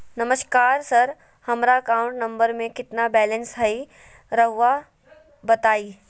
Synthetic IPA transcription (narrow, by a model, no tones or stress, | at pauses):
nɐməʃkaːɾsɐɾ | hɐmɾakaːʊ̃ɳʈnɐ̃mbəɾmẽkɪt̪nabɛːlə̃nsɦɐi | ɾɐɦʋa | bɐt̪aːiː